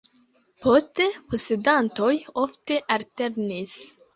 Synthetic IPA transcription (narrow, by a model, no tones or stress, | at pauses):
pʰost̪eposed̪ant̪ojoft̪eʔalt̪eɾnis